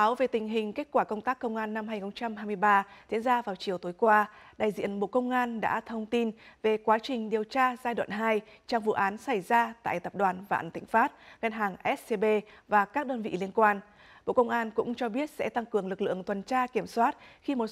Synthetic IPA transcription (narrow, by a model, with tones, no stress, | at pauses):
aː˨˦wve˨˩t̪ï˨˩ŋ̟ɦï˨˩ŋ̟ke˦˥k̚kwaː˧˩kə˧wŋ͡mt̪aː˦˥kːə˧wŋ͡mʔaː˧nːa˧mɦaː˧ɲ˨˩xə˧ŋ͡mt͡ɕa˧mɦa˧jmɨ˧əjɓaː˧zḭ˧˥ənzaː˧vaː˨˩wt͡ɕi˨˩əwt̪oː˨˦jkwaː˧ɗaː˨˩jzḭ˧˨˥ənɓo̰˧˨kə˧wŋ͡mʔaː˧nɗa̰ː˧˥t̪ʰə˧wŋ͡mt̪i˧nve˨˩kwaː˨˦t͡ɕï˨˩ŋ̟ɗi˨˩əwt͡ɕaː˧zaː˧jwa̰ː˧˨nɦaː˧jt͡ɕɔ˧wŋ͡mvṵ˧˨ʔaː˨˦nsa˧˩jzaː˧t̪a̰ː˧˨jt̪ə˨˩p̚ɗwaː˨˩nva̰ː˧˨nt̪ʰï˧˨˩ŋ̟faː˦˥t̚ɣa˧nɦaː˨˩ŋʔɛ˦˥t̚se˧ɓe˧vaː˨˩kaː˦˥k̚ɗəː˧nvḭ˧˨li˧ənkwaː˧n | ɓo̰˧˨kə˧wŋ͡mʔaː˧nkʊ̰˧˥ŋ͡mt͡ɕɔ˧ɓi˦˥ət̚sɛ̰˧˥t̪a˧ŋkɨ˨˩əŋlɨ˨˩k̚lɨ̰˧˨əŋt̪ʰwə˨˩nt͡ɕaː˧ki˧˩əmswaː˦˥t̚xi˧mo˨˩t̚